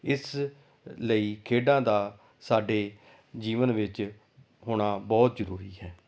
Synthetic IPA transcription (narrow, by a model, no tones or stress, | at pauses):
ɪs | ləiːkʰeːɖãːd̪aː | saːɖeː | d͡ʒiːʋənʋɪt͡ʃ | ɦoːɽ̃aːbɔːt̪zəɾuːɾiːɦɛː